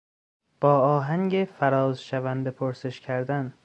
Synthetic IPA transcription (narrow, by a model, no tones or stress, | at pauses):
b̥ɒːɒːɦæŋɟefæɾɒːzʃævænd̪e̞pʰoɾse̞ʃcʰæɾd̪æn